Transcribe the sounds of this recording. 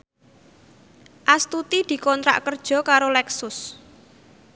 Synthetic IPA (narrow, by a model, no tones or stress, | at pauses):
ʔast̪ut̪id̪̥i̤kɔnt̪ɾa̰ʔkərd̥ʒ̥ɔ̤kaɾolɛksʊs